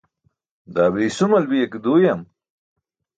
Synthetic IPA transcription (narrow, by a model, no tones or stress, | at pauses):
d̪aːbiːsumɐlbijekd̪uːjɐm